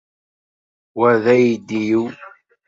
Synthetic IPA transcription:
wæðæjid̪ːiju

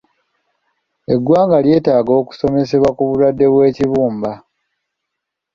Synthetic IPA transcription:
e̞ɡwaːŋɡalje̞ːtaːɡo̞ːku̥so̞me̞se̞βwakuβuɾadːe̞βwe̞ːciβuːmba

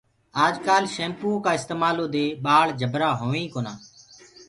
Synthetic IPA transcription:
aːd͡ʒkaːlʃẽːmpuːokaːɪst̪eːmaːloːd̪eːɓaːɭd͡ʒʱəbɾaːɦoːʋẽːkoːnaː

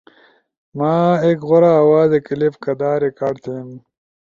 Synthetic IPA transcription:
maːeːkɣoɾaːwaːzekilifkɐd̪aːɾikaːɖt̪ʰem

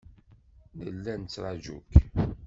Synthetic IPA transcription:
nəlːænt͡sːɾˤɑʒṵk

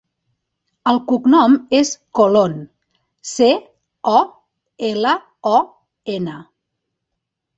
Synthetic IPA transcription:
əlˠkuknɔmeskolon | se | ɔ | elə | ɔ | enə

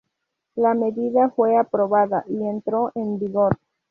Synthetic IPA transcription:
lame̞ðiðafwe̞apɾo̞βaðaʔie̞nt̪ɾo̞ʔembiɣoɾ

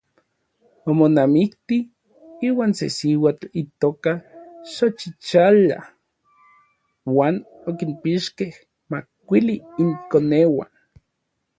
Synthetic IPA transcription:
omonamikt̪i | iːwaːnsḛsiwat͡ɬit̪oːkaʃot͡ʃit͡ʃala̰ | waːn | okinpiʃkeh | makːʷiliːŋkonewa̰n

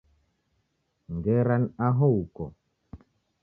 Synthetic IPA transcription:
ŋɡɛɾanaɦoukɔ

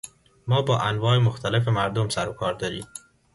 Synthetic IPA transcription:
mɒːbɒːʔænvɒːemoxt̪ʰælef̬emæɾd̪omsæɾokʰɒːɾd̪ɒːɾiːm

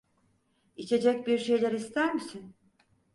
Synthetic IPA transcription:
it͡ʃʰe̞d͡ʒɛc̚biɾʃe̞jlʲæɾist̪ʰæɾmisin

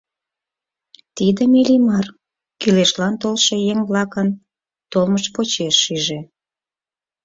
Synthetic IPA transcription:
t̪id̪ə̆milimɑr | kyleʃlɑnt̪olʃejeŋβlɑkən | t̪olməʃpot͡ɕeʃːyʒe

